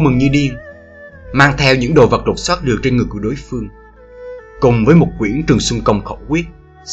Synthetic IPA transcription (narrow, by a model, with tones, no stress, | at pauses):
mɨ˨˩ŋɲɨ˧ɗi˧əŋ | maː˧ŋt̪ʰɛ˧wɲɨ̰˧˥ŋɗo̰˨˩və˨˩t̚lo˨˩t̚swaː˦˥t̚ɗɨ˨˩ək̚t͡ɕe˧nŋɨ˨˩əjku˧˩ɗo˨˦jfɨ˧əŋ | kʊ˨˩ŋ͡mvəː˨˦jmo˨˩t̚kwi˧˩ənt͡ɕɨ˨˩əŋsʊ˧ŋ͡mkə˧˩wŋ͡mxə̰˧˩wkwi˦˥ət̚